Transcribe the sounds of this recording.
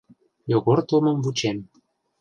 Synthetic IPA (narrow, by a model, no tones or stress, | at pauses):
joɣort̪omə̆mvut͡ɕem